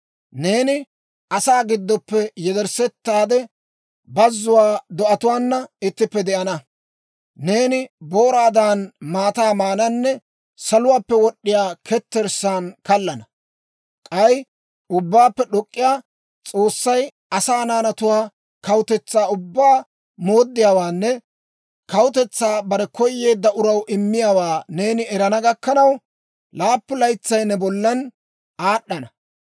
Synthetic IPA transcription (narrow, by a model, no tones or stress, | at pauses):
ne̞ːnɪ | ʔɐsaːɡɪd̪ːɔpːɛjɛd̪ɛɾsɛt̪ːaːd̪ɛ | bɐzːʊwaːd̪ɔʔɐt̪ʊwaːnːɐɪt̪ːɪpːɛd̪ɛʔɐnɐ | ne̞ːnɪboːɾaːd̪anmaːt̪aːmaːnɐnːɛ | sɐlʊwaːpːɛwɔɗːɪjaːkʰɛt̪ːɛɾsaːnkɐlːɐnɐ | kʼɐj | ʊbːaːpːɛɗɔkʼːɪjaː | t͡sʼo̞ːsːɐj | ɐsaːnaːnɐt̪ʊwaː | kɐwʊt̪ɛt͡sːaːʊbːaː | mo̞ːd̪ːɪjaːwaːnːɛ | kɐwʊt̪ɛt͡sːaːbɐɾɛkɔjːe̞ːd̪ːɐʔʊɾɐwʔɪmːɪjaːwaːne̞ːnɪɛɾɐnɐɡɐkːɐnɐw | laːpːʊlɐjt͡sːɐjnɛbɔlːɐn | aːɗːɐnɐ